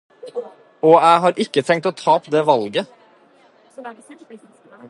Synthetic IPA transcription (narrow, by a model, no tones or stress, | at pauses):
ɔːæɪɦɑːɾʔɪkːət̪ʰɛŋt̪ɔt̪ʰɑːpd̪eːʋɑlɡə